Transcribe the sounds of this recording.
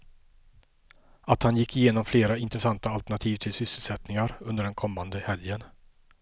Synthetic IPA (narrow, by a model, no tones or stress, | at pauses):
at̪hanjɪkːɪjeːnɔmfleːɾaɪnt̪ɾɛsant̪aːlt̪əɳat̪ʰiːvt̪ʰɪlsʏsːəlsɛt̪nɪŋaɾɵnd̪əɖɛnkʰɔmːand̪əhɛljən